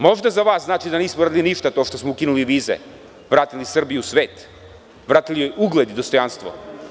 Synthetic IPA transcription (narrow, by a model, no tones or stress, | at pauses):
moʒd̪azaʋasznat͡ʃid̪anismɔvɾad̪ilˠiniʃt̪at̪oʃt̪osmoukinuliʋizɛ̰ | vɾat̪ilisr̩bijusʋeːt̪ | ʋɾat̪ilijouɡlˠɛd̪id̪ost̪ojanst̪vo̰